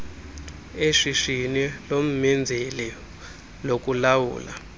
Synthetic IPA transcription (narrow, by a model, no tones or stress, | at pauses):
eʂiʂinilom̩mɛnd͡zʱɛlɛ | lok̬ʼulawṵːla̰